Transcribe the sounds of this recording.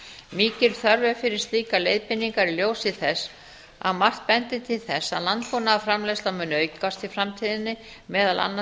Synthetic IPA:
miːcɪl̥θœɾvɛfɪɾɪɾ̥st̪liːkalejðpɪnːiŋkaɾiljoːwsɪθɛsː | a̰ðmar̥t̪̚pɛnt̪ɪt̪ʰɪlθɛsːa̰ðlant̪fonaːfɾamlejslamʏːnːʏœːɥjkkast̪ʰɪlfɾamt̪ʰiːðɪnːɪ | mɛːðalʔa̰nːa

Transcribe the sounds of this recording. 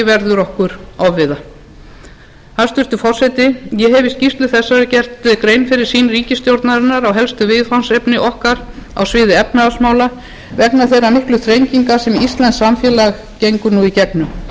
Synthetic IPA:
ɪvɛɾðʏɾɔhkʏɾawvɪða | hḁst̪ʏɾ̥t̪ʏfɔr̥sɛt̪ɪjɛɦɛvɪscifst̪lɪθɛsːaɾɪcɛr̥t̪kɾejnfɪɾɪɾ̥siːnriːcɪst̪jowɾt̪naɾɪnːaɾawɦɛlst̪ʏvɪðfansejpnɪʔɔhkaɾa̰wsvɪːðɪɛpnasmaːwla | vɛknaθejranʏhklʏθɾejɲciŋkasɛmist̪lɛnsːamfjɛːlaɣ | cejŋkʏɾnuicɛpnʏ

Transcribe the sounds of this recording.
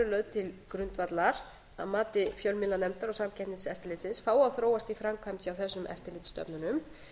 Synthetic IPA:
ʏlœɥðt̪ʰɪlkɾʏnt̪vat̪laɾ | a̰ðmaːt̪ɪfjœwlmɪlanɛmt̪aɾɔɣsamcʰɛnɪnsɛft̪ɪɾlɪːt̪sɪnsfaːwaðθɾoːwast̪ifɾamkʰajmt̪iawθɛsːʏmʔɛ̰ft̪ɪɾlɪt̪st̪œ̰pnʏnʏm

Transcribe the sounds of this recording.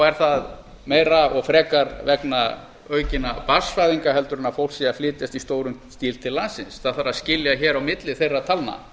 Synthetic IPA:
ɛɾ̥θað | meːjɾaɔɣfɾɛːkaɾvɛkna | œːɥcɪnapasfajðiŋkaɦɛlt̪ʏɾɪnafowlsiaflɪːt̪jast̪ist̪oːwɾʏmst̪iːlt̪ʰɪlːaːsɪnsθaðθaɾaðscɪljaçɛːɾawmɪt̪lɪθejrːat̪ʰalna̰

